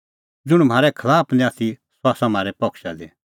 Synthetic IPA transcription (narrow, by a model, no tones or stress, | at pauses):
d͡zʊɽ̃m̤aːɾɛkʰɐlaːpʰnɛ̃aːt̪ʰi | sʊaːsamaːɾɛpɐkʰʃad̪e